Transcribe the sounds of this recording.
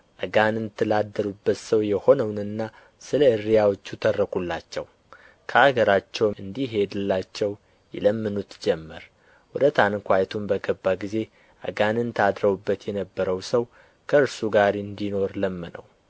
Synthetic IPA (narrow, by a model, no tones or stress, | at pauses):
ʔəɡanɨnt̪ʰːɨlad̪ːəɾubːət̪səwjɛho̞nəwnɨnːa | sɨləɨɾijawot͡ʃːut̪ʰərːəkʰulːat͡ʃːɛw | kʰəaɡəɾat͡ʃːɛwɨnd̪iɦe̞d̪ɨlːat͡ʃːɛw | jɛ̰ləmːɨnut̪d͡ʒɛmːəɾ | wɔd̪ət̪ʰankʷajt̪ʰumbəɡəbːaɡize̞ | ʔə̰ɡanɨnt̪ʰad̪ɾəβubːət̪jɛnəbːəɾəwsəw | kʰəɨɾsuɡaɾɨnd̪ino̞ɾləmːənə̰w